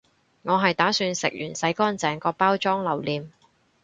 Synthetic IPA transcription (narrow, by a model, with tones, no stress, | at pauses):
ŋɔː˨˧ɦɐ˨jt̪aː˨˥syː˧nsɪ̰˨k̚jyː˨˩nsɐ˨˥jkɔː˥nt͡sɛː˨˩ŋkɔː˧paː˥wt͡ʃɔː˥ŋlɐ˨˩wliː˨m